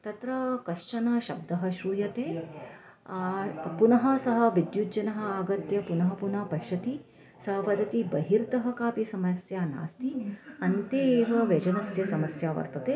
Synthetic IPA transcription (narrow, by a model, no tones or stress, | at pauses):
t̪ɐt̪ɾɐkɐʂt͡ʃɐnɐʃɐb̚d̪ɐɦɐʃɾuːjɐt̪eː | punɐɦɐ̆sɐɦɐ̆ʋid̪jud͡ʒɐnɐɦɐ̆aːɡɐt̪jɐpunɐɦɐpunaːpɐʃɐt̪i | sɐɦɐʋɐd̪ʱɐt̪ibɐɦiɾt̪ɐɦɐkaːpisɐmɐsjaːna̰ːst̪iɐnt̪eːʋɐʋed͡ʒɐnɐsjɐsɐmɐsjaːʋɐ̰ɾt̪ɐt̪eː